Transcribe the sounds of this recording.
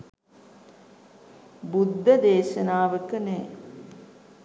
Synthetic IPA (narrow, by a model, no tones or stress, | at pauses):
bud̪ʱːəd̪eːʃənaːʋəkənɛː